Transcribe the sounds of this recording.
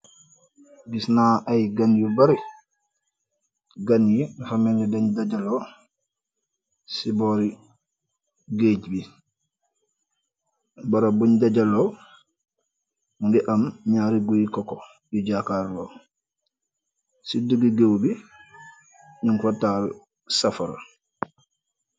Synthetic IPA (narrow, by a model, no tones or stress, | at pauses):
ɡisnaʔajɡanjubaɾi | ɡanjufamɛnɡɛdaɲdad͡ʒalɔ | sibɔɾi | ɡed͡ʒbi | baɾabuɲdaɟalɔ | ŋɡɛʔamɲaːɾiɡujikɔkɔ | diɟakaːɾlɔː | siduɡiɡewbi | ɲuŋkɔtaːl | safaɾa̰